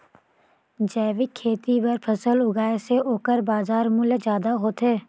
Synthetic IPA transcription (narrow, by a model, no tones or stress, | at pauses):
d͡ʒɛːʋɪkʰːeːt̪ibɐɾpʰɐsəlʊɡaːeseoːkəɾbaːzaːɾmʊld͡ʒjaːd̪aɦoːt̪ɦeː